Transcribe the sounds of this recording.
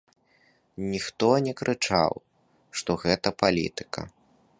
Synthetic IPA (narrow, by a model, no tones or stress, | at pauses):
nʲixt̪ɔnʲɛkɾɨt͡ʂa̰w | ʂt̪ɔɣɛt̪ɐpalʲḭt̪ɨ̥kɐ̰